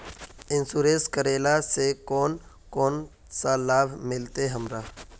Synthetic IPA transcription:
ɪnsuɾẽskəɾeːlasekɔːn | kɔːn | salaːbʱmɪlt̪eɦəmɾa

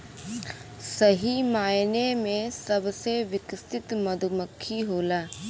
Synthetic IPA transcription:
sɐɦimaːjnemẽsɐbseʋɪkst̪ɪt̪mɐd̪ʱməkʰːiɦoːlaː

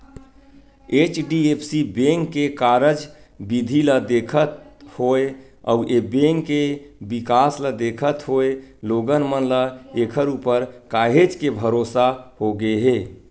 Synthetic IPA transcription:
et͡ʃɖiepʰsibeŋkːekaɾəd͡ʒ | bid̪ʱiləd̪ekʰət̪hoe | ɔ̰uʔebeŋkːebikasləd̪ekʰət̪ɦoeloɡənmənləekʰəɾupəɾkaɦed͡ʒkebʱəɾosahoɡeɦe

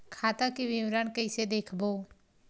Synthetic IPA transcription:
kʰaːt̪akiʋɪʋɾankəɪsed̪eːkʰboː

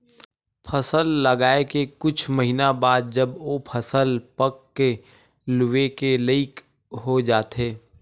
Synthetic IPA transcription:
pʰəsəlːɐɡaːekekʊt͡ʃʰməɦinabaːd̪̚d͡ʒɐbʋopʰəsəlpəkːe | lʊʋekeləɪk | ɦod͡ʒaːt̪ɦeː

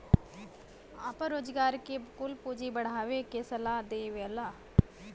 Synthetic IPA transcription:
aːpə̃ɾoːd͡ʒɡaːɾkekʊlpuːd͡ʒibəɽ̤aːʋekesəlaːd̪eːʋeəlaː

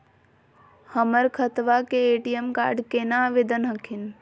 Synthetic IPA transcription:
həməɾkʰət̪ʋakeːʈijemka̰ːɾɖkenaʋed̪ənɦəkʰin

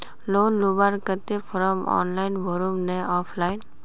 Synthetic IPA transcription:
loːnlubaɾkət̪efʰɾəmɔ̰ːnlaːɪnbʱoɾumneɔːpʰlaːɪn

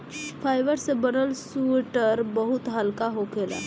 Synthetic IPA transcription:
fʰajʋəɾsebəɾəlsuʈəɾbəɦut̪ɦəlkaɦokela̰

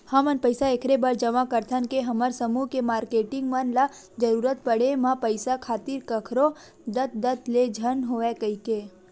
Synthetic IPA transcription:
həmənpəɪsaekʰɾebaɾd͡ʒəmakəɾt̪ʰənkeɦɐməɾsəmukemaːɾkeːʈɪ̃ŋɡmənla | d͡ʒəɾuːɾət̪̚pəɽemãpəɪsakʰaːt̪ɪɾkəkʰɾo | d̪ət̪̚d̪ət̪led͡ʒʱənɦoekəike

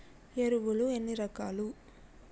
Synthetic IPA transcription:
eɾuʋuluenːiɾɐkaːlu

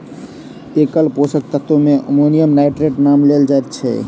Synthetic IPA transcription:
ekəlposək̚t̪ət̪omeʔo̰monijəmnaʈɾeʈnamleld͡ʒaet̪t͡ʃʰɛ̰

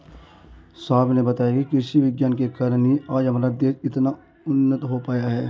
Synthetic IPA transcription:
saːbnebɐt̪aːjakikɪsiʋɪɡjaːnkekəɾniaːd͡ʒəmlad̪eːsɪt̪na | ʊnːət̪ɦopaːjaɦɛː

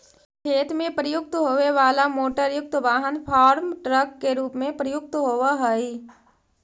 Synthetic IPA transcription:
kʰeːt̪mẽpɾəjʊk̚t̪ɦoːʋeʋaːlamoːʈəɾjʊk̚t̪ʋaːɦənpʰaːɾmʈɾəkːeɾuːpmẽpɾəjʊk̚t̪ɦoːʋaɦɛi

